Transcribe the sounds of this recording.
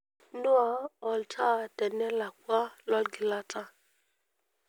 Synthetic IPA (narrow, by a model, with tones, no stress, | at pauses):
no˦a˨˦ɔ˨ltʰa˦˨tɛ˨nɛ˦la˨kʷa˦lɔ˦lɡi˨la˧tʰa˦